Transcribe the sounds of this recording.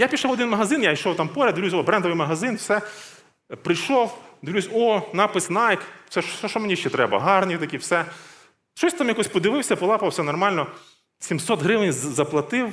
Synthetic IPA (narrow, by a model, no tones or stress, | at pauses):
japʲiʃɑwɔd̪ɪnmɐɦɐzɪnjaiʃɔwt̪ɑmpɔɾʲɐd̪d̪ʋlʲus̬ʲɔbɾɛnd̪ɔʋɪjmɐɦɐzɪnwsɛ | pɾɪjʃɔwd̪ɔusʲɔnɑpɪsʲnɑjksɛʃʃɛʃɔmenʲiʃt͡ʃɛt̪ɾɛbɐ̰ɦɑrnʲit̪ɐkʲiwsɛ | ʃɔsʲt̪ɑmjɐkɔsʲpɔd̪ɪʋɪwsʲɐpɔlˠɑpɐwsʲɛnɔrmɑlʲnɔ | sʲimsɔt̪ɦɾɪʋɪnʲzɐplˠɐt̪ɪw